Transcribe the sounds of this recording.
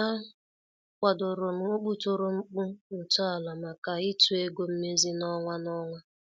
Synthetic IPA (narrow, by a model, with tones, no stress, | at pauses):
a˦ | kʷa˨dʊ˨ɾʊ˨m̩˨o˦ɡ͡bu˦to˦ɾo˦ŋ͡m̩˦k͡pu˦n̩˨tɔ˦a˨la˨ma˨ka˨ɪ˦tu˦e˦ɡo˦m̩˦me˦zi˦nɔ˦ŋʷa˦nɔ˦ŋʷa˦